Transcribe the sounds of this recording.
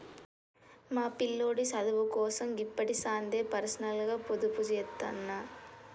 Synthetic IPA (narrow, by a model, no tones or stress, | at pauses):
maːpilːoːɽisɐd̪ɐʋukɔːsɐmipːɐʈisaːnd̪eːpɐɾɐsnɐlɡaːpod̪upud͡ʒjɛt̪ːɐ̰nːa